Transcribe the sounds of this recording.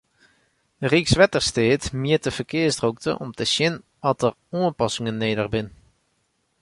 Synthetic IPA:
riksʋɛtəɹsteːtmɪətəv̥əɹkɪːɹsdrok̚tə̰ʔɔ̰mtəʃjɪn | ɑtər | ɔnɔpɑsɪŋənːejdərbɪn

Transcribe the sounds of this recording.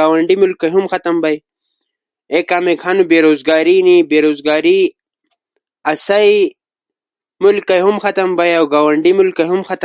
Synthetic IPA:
aːwɐɳɖimulkɐɦumxɐt̪ɐmbɐj | ekaːmekʰanubeːɾoːzɡaːɾinibeːɾoːzɡaːɾi | ɐsɐj | mulkːɐjɦumxɐt̪ɐmbɐjawɡaːwɐɳɖimulkɐɦumxɐt̪

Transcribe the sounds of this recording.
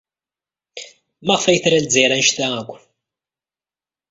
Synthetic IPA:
mæʁfæjθɾælziɾænʃθæækʷː

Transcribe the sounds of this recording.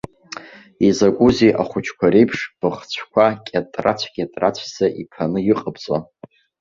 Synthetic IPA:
izaɡʷʼuziʔa̰χʷʊt͡ʃʰkʷʰaɾejpʰʂb̥ɨχt͡ɕʷʰkʷʰakʲʼatʼrat͡ɕʷʰkʲatʼrat͡ɕʷʰzaʔipʰanɨjɪqʼabt͡sʼo

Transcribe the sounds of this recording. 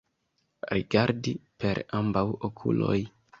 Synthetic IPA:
ɾiɡaɾdipʰe̞ɾambawokʰulo̞̰j

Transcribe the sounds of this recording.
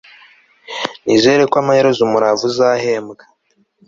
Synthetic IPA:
nizeɾekwaːmaheɾezumuɾavuzaːhe̞ːmɡḁ

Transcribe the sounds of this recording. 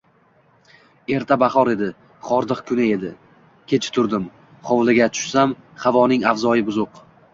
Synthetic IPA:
e̞ɾt̪ʰabaχɒɾe̞d̪ɪ | χɒɾd̪ɨqkʰʊnɪe̞d̪ɪ | kʲʰe̞t͡ʃʰɪ̥t̪ʰʊɾd̪ɪm | χɒwlɪɡʲat̪ʰʊ̥ʃsam | havɒnɪŋavzɒjɪbʊzʊq

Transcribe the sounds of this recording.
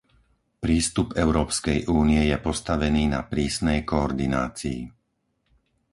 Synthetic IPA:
pɾiːst̪upɛʊɾɔːpskɛjʔuːnijɛjɛpɔst̪aʋɛniːna̰pɾiːsnɛjkɔɔɾd̪ina̰ːt͡sḭː

